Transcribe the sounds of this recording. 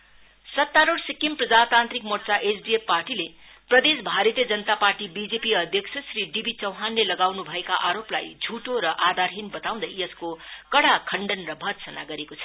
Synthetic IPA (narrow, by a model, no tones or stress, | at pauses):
sʌt̪ːaɾoɽsikimprʌd͡zat̪ant̪ɾikmort͡saʔesɖiepːarʈile | prʌd̪esbʱaɾʌt̪jʌd͡zʌnət̪aparʈibid͡zepiʌd̪ʱjʌksʰʌsriɖibit͡sʌwɦanlelʌɡawnubʱʌekaʔaɾopla̰jd͡zʱuʈoɾʌʔad̪arɦinbʌt̪aw̃d̪ʌjjʌskokʌɽakʰʌɳɖʌnrʌbʱʌt̪sʌna̰ɡʌɾekot͡sʰʌ